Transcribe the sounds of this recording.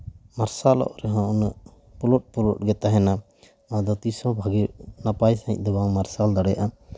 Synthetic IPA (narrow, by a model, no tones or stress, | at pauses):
maɾsalɔ̰ʔɾɛɦɔ̃ʔɔnəʔ | pulɔt̚pulɔʔ̚ɡɛt̪aɦɛna | mad̪ɔt̪isɔ̃bʱaɡinapajsaḭ̃ɲ̚ˀd̪ɔbaŋmaɾsald̪aɽɛjaʔa